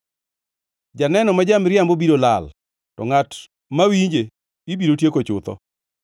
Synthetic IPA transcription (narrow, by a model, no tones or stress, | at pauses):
d͡ʒanɛnɔmad͡ʒamɾɪjambobiɾola̰l | tɔ̰ŋat | mawiɲd͡ʒe | ibiɾotjekot͡ʃʊ̰t̪ɔ̰